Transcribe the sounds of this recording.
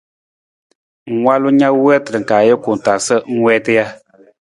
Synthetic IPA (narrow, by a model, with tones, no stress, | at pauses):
ŋ̩˨wa˦lu˦ɲa˦wɛː˦tɨ˨ɾə˨ŋ̩˨kaː˨jə˦ku˨n˨ta˨sə˦ŋ̩˦wɛː˦tɨ˦ja˦